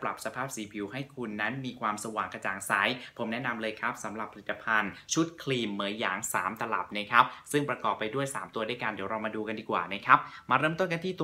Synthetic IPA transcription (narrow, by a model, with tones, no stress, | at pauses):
pla˨˩p̚sa˧pʰaː˥˩p̚siː˩˦pʰi˩˦whɦa˥˩jkʰu˧nːa˦˥nmiː˧kʰwaː˧msa˧waː˨˩ŋka˧t͡ɕaː˨˩ŋsaː˩˦jpʰo˩˦mnɛ˦˥na˧mlɤː˧jkʰɾa˦˥p̚sa˩˦mɾa˨˩pʰa˧li˨˩t̪ːa˧pʰa˧nt͡ɕʰu˦˥t̪̚kʰliː˧mːɯː˨˩˦jaː˩˦ŋsaː˩˦mt̪a˧la̰˨˩p̚na˦˥˩kʰa˦˥p̚sɯ˥˩ŋpɾa˧kɔː˨˩pːa˧jdu˥˩əjsaː˩˦mt̪u˧du˥˩jka˧ndiː˨˩˦wɾaː˧wmaː˧duː˧ka˧ndiː˨˩kwa̰ː˨˩na˦˥kʰɾa˦˥p̚maː˧ɾɤː˥˩mt̪o˥˩nk̬a˧nt̪ʰiː˥˩t̪u˧